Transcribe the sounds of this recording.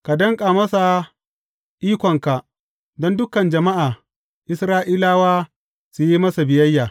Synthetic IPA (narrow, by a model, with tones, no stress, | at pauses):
ka˨dɐ˦ŋkʼa˨mɐ˦sa˨ | ʔiː˦kʷɔ˨ŋka˨ʔ | dɔ˦ndʊ˦kɐ˨nd͡ʒɐ˨ma˦ʔaː˨ | ʔɪ˦sɾaː˦ʔiː˦laː˦waː˦ | su˨ji˦mɐ˦sa˨bɪ˨jɐ˦jːaː˨